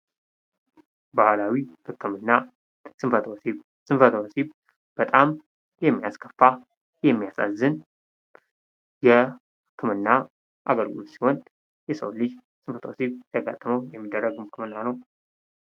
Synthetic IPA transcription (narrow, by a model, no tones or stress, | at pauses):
bahlawihɨkʰːɨmɨnːa | sɨmfət̪ʰwsiβ | sɨnfət̪ʰəwosiβ | b̥ət̪ʼam | jɛmːijaskʰəfːa | jɛmːijasa̰zɨn | jɛ | hɨkʰːɨmɨnːa | ʔa̰ɡəɾɡṵlsihɔn | jɛsə̰wlɨd͡ʒ | sɨmfət̪ʰwsiβt̪ʰaɡa̰t̪ʼːəməwjɛmːid̪ːərːəɡɨmhɨkʰɨmɨnːanəw